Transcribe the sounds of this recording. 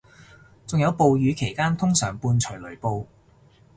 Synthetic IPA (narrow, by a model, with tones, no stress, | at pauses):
t͡sʊ˨ŋjɐ˨˧wpo˨wjyː˨˧kʰe˨˩jkaː˥nt̪ʰʊ˥ŋsœː˨˩ŋpuː˧nt͡ʃʰɵ˨˩lɵ˨˩ɥpo˧w